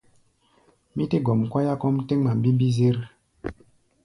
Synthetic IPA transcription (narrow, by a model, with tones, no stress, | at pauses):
mi˦te˦ɡɔ˨m˨kwa˦ja˦kɔ˦mte˦ŋma˨m˨bi˦m˦bi˦ze˦ɾ